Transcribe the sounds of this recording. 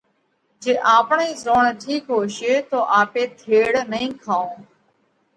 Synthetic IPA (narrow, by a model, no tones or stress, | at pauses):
d͡ʒeːʔaːpɳeːzoːɳʈʰiːkɦoːʃeːt̪oːʔaːpeːt̪ʰeːɽnəĩːkʰaːõː